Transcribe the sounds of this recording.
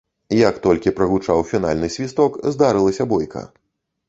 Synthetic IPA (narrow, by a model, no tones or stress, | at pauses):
jɐkt̪ɔlʲkʲipɾɐɣut͡ʂawfʲina̰lʲnɨsʲvʲist̪ɔkzd̪aɾɨlˠɐsʲɐbɔjkɐ̰